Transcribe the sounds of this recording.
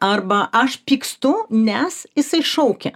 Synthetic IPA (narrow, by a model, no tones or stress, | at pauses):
ɐrbɐʔɐʃpʲiːkst̪ʊnʲɛsjɪsɐɪʃɐʊkʲɛ